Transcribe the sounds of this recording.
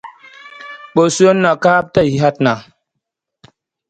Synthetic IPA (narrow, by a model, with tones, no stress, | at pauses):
ɓo˨su˦o˦nːa˨ka˦a˦p̚tə˦˨i˨˦ɦa˦tna˨